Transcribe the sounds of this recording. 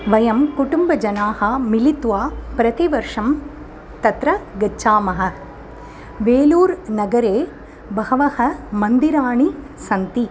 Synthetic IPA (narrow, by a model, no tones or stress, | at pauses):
ʋɐjɐmkuʈumbɐd͡ʒɐnaːhɐmilit̪ʋaːpɾɐt̪iʋɐɾʂɐm | t̪ɐt̪ɾɐɡɐt͡ʃːʃaːmɐɦɐ̆ | ʋeːluːɾnɐɡɐɾeː | bɐhɐʋɐhɐmɐnd̪iɾaːɳi | sɐnt̪i